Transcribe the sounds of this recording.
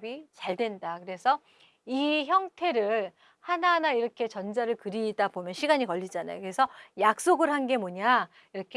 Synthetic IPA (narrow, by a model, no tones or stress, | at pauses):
bit͡ɕaɭdwe̞ndakɯɾe̞sʰʌ | içjʌŋtʰe̞ɾɯɭ | hananaiɾʌkʰe̞t͡ɕʌnd͡ʑaɾɯɭkɯɾidabomjʌnɕʰiɡaɲikʌʎːid͡ʑana̰jo̰kɯɾe̞sʰʌjak̚s͈oɡɯɾɦanɡe̞moɲa | iɾʌkʰe